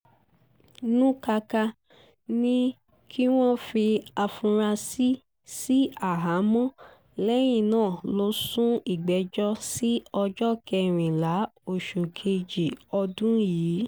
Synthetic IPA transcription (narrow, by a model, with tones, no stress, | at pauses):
nũ˦ka˧ka˧ | nĩ˦ | kʰi˦w̃ɔ̃˦fi˧a˧fũ˧ɾa˧si˦ | si˦a˦˨ɦa˨˦mũ˦ | lɛ˦j̃ĩ˧˨nãː˦˨lo˨˦sũ˦i˦˨ɡ͡bɛ˨˧˦d͡ʒɔ˦si˦ɔ˧d͡ʒɔ˦kɛ˧ɾ̃ĩ˨la˨˦o˦˨ʃu˨kʰe˧d͡ʒi˨ɔ˧dũ˦jiː˨˦